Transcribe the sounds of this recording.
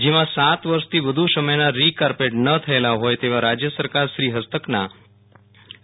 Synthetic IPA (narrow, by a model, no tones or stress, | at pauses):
d͡ʒiʋãsat̪ʋəɾst̪ʰiːʋəd̪ʱusəməjnaɾikaɾpeʈnət̪ʰəelaɦojt̪eʋ̤ãɾad͡ʑjəsəɾkaɾʃɾiːɦəst̪əkna̰